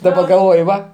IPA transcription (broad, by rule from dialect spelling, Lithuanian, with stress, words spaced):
dɐˈbɐ ɡɐlˠˈʋoːj ˈʋɐ